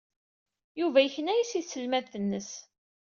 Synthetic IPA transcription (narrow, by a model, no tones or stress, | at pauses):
juvæjəçnæjisiðsəlmæðθənːəs